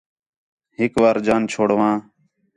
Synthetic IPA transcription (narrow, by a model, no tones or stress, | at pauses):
ɦɪkʋaːɾd͡ʒaːnt͡ʃʰoːɽʋãː